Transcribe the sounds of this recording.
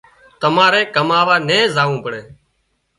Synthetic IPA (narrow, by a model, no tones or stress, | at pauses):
t̪əmaːɾeːkəmaːʋaːnẽːzaːʋũːpəɽeː